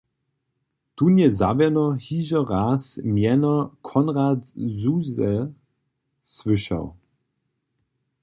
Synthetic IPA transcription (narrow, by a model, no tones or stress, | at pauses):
t̪uːnjɛza̰vɛnɔhiːʒɐʁaːsmjɛnɐkʰɔnʁatzuzɛ | svɪʃa̰w